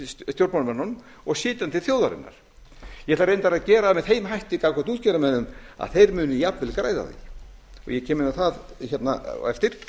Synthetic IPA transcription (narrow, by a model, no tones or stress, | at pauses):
st̪jowɾpmanmɛnːɔn | ɔɣsɪːt̪ant̪ʰɪlθjoːwðaɾɪ̰nːa̰ɾ̥ | jɛht̪aɾejnt̪aɾaðcɛːɾamɛðɦeːjmɦajht̪ikakʰɔt̪uːt̪̚cɛːɾamɛnːʏma̰ðθejɾmʏːnɪjapnvɪlkɾa̰ːjða̰ðḭɔ̰ɣjɛcʰɛːmɪnaθaðçɛt̪na̰ɛ̰ft̪ɪɾ̥